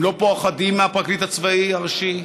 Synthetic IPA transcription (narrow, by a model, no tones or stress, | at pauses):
lopoaχad̪imːeapʁaklit̪at͡svaiaʁaʃi